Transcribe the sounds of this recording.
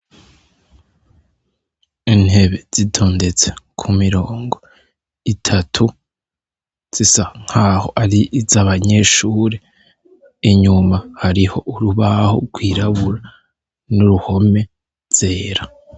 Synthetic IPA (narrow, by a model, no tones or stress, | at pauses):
in̥he̞βe̞z̥itʰo̞ːnde̞t͡se̞̥kʰumiɾo̞ːŋɡo̞ | itʰatʰu | z̥isaŋ̥haːho̞̰ʔaɾiʔizaβaɲe̞ːʃuːɾe | iɲumahaɾiho̞ʔuɾuβaho̰ɡwiːɾaβuɾa | nuɾuho̞me̞ | z̥e̞ːɾa